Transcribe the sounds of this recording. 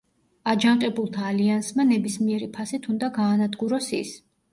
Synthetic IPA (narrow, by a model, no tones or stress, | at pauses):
ad͡ʒaɴqʼɛbulˠt̪ʰaːliansmanɛbismiɛɾipʰasit̪ʰund̪aɡaːnad̪ɡuɾɔsḭs